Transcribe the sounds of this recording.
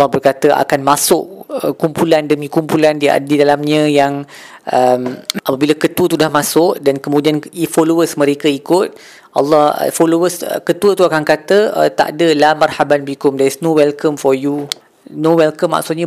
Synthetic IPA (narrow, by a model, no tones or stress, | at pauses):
lːɑhbərkat̪əʔa̰kanmasʊʔəkumpulandəmĩkumpulandia̰didalamɲə̃jaŋ | ʔəmapəbilakət̪uwət̪udahmãsʊʔdankəmudianifolowəsmə̃ɾekəikʊt̪̚ | ʔɑ̰lːɑhə̰folowəsə̰kət̪uət̪uakankat̪əə̰t̪a̰ʔdəlamarhabanbikʊmdɛsnowɛlkəmfɔju | nowɛlkəmːa̰ʔksʊt̪̚ɲə̃